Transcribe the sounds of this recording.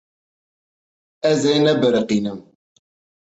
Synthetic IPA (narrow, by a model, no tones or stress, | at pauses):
æzænæbəɾəqinəm